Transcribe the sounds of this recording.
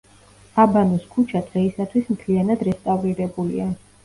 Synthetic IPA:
abanɔskʰut͡ʃʰad̪̥ʁɛisat̪ʰwismt̪ʰlianad̪ɾɛst̪ʼavɾiɾɛbulḭa

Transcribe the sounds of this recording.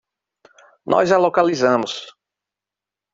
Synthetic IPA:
nʔɔ̰zalokalizɐ̃mʊs

